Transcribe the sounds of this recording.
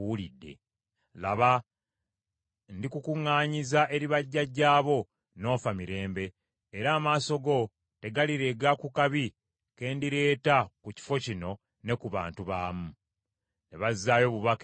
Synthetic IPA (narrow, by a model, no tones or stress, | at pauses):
wulidːe̞̰ | la̰βa | ndikukuŋːaːɲizaʔe̞ɾiβaɟːaɟːaːβo̞ | no̞ːfamiɾe̞ːmbe̞ː | ɾaːmaːso̞ɡo̞ | te̞ɡaliɾe̞ɡakukaβi | ke̞ːndiɾe̞ːtakuci̥fo̞cino̞ | ne̞kuβa̰ːntuβaːmu | ne̞βazːaːjo̞ːβuβak